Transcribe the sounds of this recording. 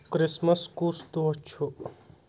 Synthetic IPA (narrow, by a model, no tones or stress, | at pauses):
kɾɪsmɐskuːst̪ot͡ʃʰu